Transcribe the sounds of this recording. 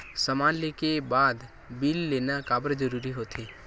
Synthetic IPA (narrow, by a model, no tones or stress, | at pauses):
səmãːnlekebaːd̪ | bilːeːnakaːbəɾd͡ʒəɾuːɾiɦoːt̪ʰeː